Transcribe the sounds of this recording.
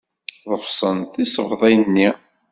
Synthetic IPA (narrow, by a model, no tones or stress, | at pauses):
ðˤəfsˤənθisəvðˤæjnːi